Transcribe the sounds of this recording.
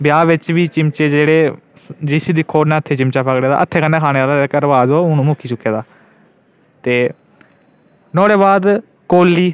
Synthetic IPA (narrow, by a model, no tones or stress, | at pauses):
bɪjaːʋɪt͡ʃʋiːt͡ʃɪmt͡ʃeːd͡ʒeːɽeː | d͡ʒɪsiːd̪ɪkʰoːnãːət̪ʰːeːt͡ʃɪmt͡ʃaːpʰəkɽeːd̪a̰ʔət̪ʰːeːkənːẽːkʰaːñeːaːlaːkəɾʋaːzoːʊnũːmʊkʰːiːt͡ʃʊkːeːd̪aː | t̪eː | nɔːɽeːbaːd̪ | koːlːiː